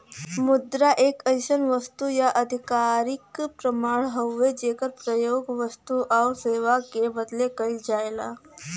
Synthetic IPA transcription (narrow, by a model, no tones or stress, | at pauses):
mud̪ɾaʔekəjɕənʋəst̪ujaʔəd̪ʱikaɾikpɾəmaɭɦəʋːed͡ʑekəɾpɾəjoɡʋəst̪uʔawseʋakebəd̪lekəild͡ʒajla